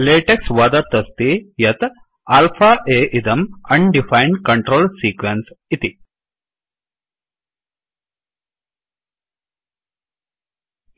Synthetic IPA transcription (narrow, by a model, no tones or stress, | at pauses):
leːʈeksʋɐd̪ɐɾt̪ɐst̪ijɐt̪ | aːlfʰaːʔeːʔid̪ɐmɐɳɖifʰajɳɖkɐɳʈɾoːlsiːkʋensit̪i